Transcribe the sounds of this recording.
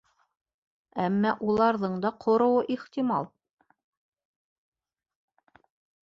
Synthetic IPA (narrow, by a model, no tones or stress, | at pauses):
æmːæʔulˠɑɾðɤɴd̪ɑqʰŏɾŏwɤʔiχt̪imɑlˠ